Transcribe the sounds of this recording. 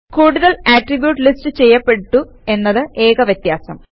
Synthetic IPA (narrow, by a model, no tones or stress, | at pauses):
kuːɽuðɐɭaːʈribjuːʈːlistɨt͡ɕe̞jːɐpːe̞ʈːu | e̞nːɐðɨʔe̞ːkɐʋjɐt̪jaːsɐm